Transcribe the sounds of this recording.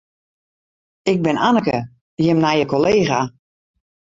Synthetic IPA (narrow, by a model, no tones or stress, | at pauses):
ɪk̚bɪnanəkə | jəmnajəkoleːɣa